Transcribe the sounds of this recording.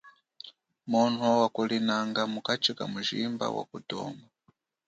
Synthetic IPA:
muntʰuwakulinaŋɡamukat͡ʃika̰muʒimba̰wa̰kudɔ̰ːmba

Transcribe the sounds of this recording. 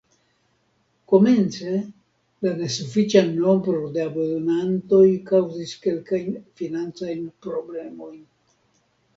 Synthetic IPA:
ko̞me̞nt͡se̞ | lane̞sufit͡ʃano̞mbɾo̞de̞abodonanto̞jkawziske̞lkajnfinant͡sajnpɾo̞ble̞mo̞jn

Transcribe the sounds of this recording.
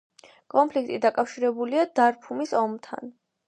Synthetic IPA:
kʼɔmpʰlik̚ʰt̪ʼid̪akʼafʃiɾɛbuliad̪aɾpʰumisɔmt̪ʰa̰n

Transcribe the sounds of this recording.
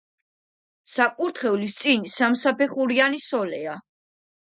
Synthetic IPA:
sakʼuɾt̪ʰχɛulist̪sʼinsamsapʰɛχuɾianisɔlɛa

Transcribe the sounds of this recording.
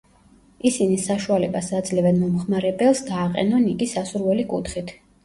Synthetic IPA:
isinisaʃualɛbasad̪zlɛvɛnmɔmχmaɾɛbɛlˠsd̪aːqʼɛ̰nɔniɡisasuɾvɛlikʼṵt̪ʰχit̪ʰ

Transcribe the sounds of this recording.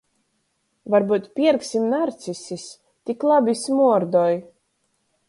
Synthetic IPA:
vaɾbut̪pʲiɛɾksʲimnaɾt̪sisʲis | t̪iklˠabʲismuɔɾd̪ɔj

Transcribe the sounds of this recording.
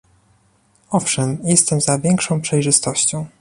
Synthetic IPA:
ɔfʂɛmjɛst̪ɛmzavʲjɛŋkʂɔ̃w̃pʂɛjʐɘst̪ɔɕt͡ɕɔ̃w̃

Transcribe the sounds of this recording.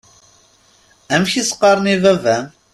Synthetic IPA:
æmçisə̥qːɑɾˤənivævæn

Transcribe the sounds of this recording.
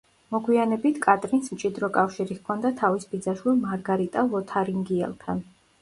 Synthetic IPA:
mɔɡwianɛbit̪ʰkʼat̪ʼɾinsmt͡ʃʼid̪ɾɔkʼafʃiɾiχkʰɔnd̪at̪ʰavisbid̪zaʃwilˠmaɾɡaɾit̪ʼavɔt̪ʰaɾiŋɡiɛ̰lˠt̪ʰan

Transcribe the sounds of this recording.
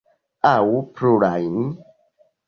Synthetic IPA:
awupʰɾuɾajni

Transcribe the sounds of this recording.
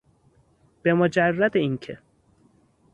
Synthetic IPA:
b̥e̞mod͡ʒærːæd̪eiŋcʰe

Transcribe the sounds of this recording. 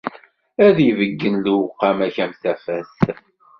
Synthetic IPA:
æðjivəɡːənluwqːæmæçæmθæfæs

